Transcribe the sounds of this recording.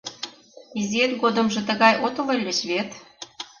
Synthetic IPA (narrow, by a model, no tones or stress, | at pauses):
iziet̪ɡod̪ə̆mʒɤ̆t̪ə̆ɣɑjʔot̪əmə̆lʲːə̆ɕβet̪